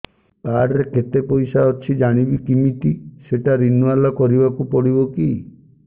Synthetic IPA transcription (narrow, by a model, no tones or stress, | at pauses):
kaɽɾeket̪epɔjsaɔt͡ʃʰid͡ʒaɽ̃ibikimiʈiseʈaɾinualɔkɔɾibakupɔɽibɔki